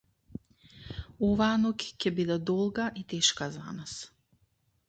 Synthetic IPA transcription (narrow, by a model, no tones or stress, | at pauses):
ɔvaːnɔcʲcɛbid̪ɛd̪ɔlˠɡaʔit̪ɛʃkaza̰nas